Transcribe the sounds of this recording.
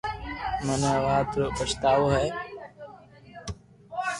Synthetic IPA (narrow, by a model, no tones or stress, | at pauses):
mənʋaːt̪ɾopət͡ʃt̪aːʋoːɦɛː